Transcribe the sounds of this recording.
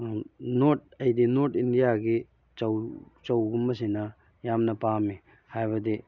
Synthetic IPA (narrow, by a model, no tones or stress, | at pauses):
noɾt̚ɐjdinoɾtindijaɡi | t͡ʃɐwt͡ʃɐwɡumːɐs̬inɐ | jamnɐpami | hajbɐdi